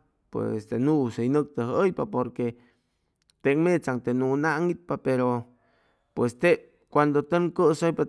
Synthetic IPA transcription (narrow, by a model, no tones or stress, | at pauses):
pwḛst̪enũsejnək̚t̪əɦəjpapoɾke | t̪eŋmẽt͡saŋt̪enũnaʔŋit̪̚papeɾo | pwest̪eʔ | kʷand̪ot̪eŋkəsojpa